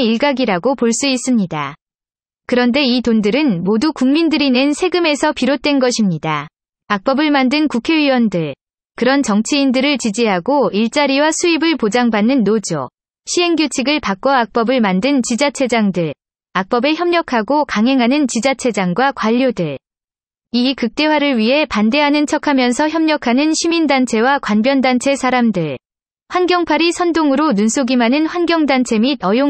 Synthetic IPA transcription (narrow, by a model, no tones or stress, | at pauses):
iɭɡaɡiɾaɡopoɭs͈uis͈ɯmɲida | kɯɾʌnde̞itondɯɾɯnmodukuŋmindɯɾinensʰe̞ɡɯme̞sʰʌpiɾot̚t͈wenɡʌɕʰimɲida | ak̚p͈ʌbɯɭmandɯnkukʰe̞ɥiwʌndɯɭ | kɯɾʌnt͡ɕʌŋt͡ɕʰiindɯɾɯɭt͡ɕid͡ʑiɦaɡoiɭt͡ɕ͈aɾiwasʰuibɯɭpod͡ʑaŋbanːɯnːod͡ʑo̰ | ɕʰiɦe̞ŋɡjot͡ɕʰiɡɯɭpak͈ʌak̚p͈ʌbɯɭmandɯnt͡ɕid͡ʑat͡ɕʰe̞d͡ʑaŋdɯɭ | ak̚p͈ʌbe̞çjʌmɲʌkʰaɡokaŋɦe̞ŋɦanɯnt͡ɕid͡ʑat͡ɕʰe̞d͡ʑaŋɡwakwaʎːodɯɭ | ikɯk̚t͈e̞waɾɯɭɥiɦe̞pande̞ɦanɯnt͡ɕʰʌkʰamjʌnsʰʌçjʌmɲʌkʰanɯnɕʰimindant͡ɕʰe̞wakwanbjʌndant͡ɕʰe̞sʰaɾamdɯɭ | ɸwanɡjʌŋpʰaɾisʰʌndoŋɯɾonunsʰoɡimanɯnɸwanɡʲjʌŋdant͡ɕʰemidʌjo